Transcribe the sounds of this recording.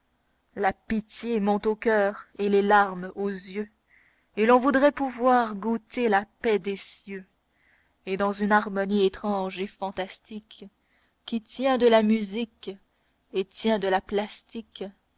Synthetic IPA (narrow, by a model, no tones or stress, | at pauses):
lapit̪jemɔ̃t̪okʲœːʁelelaʁmozjø | elɔ̃vud̪ʁɛpuvwaːʁɡut̪elapɛd̪esjø | ed̪ɑ̃zynaʁmɔniet̪χɑ̃ʒefɑ̃t̪ast̪ikː | it̪jɛ̃d̪əlamyzik | et̪jɛ̃d̪əlaplast̪ik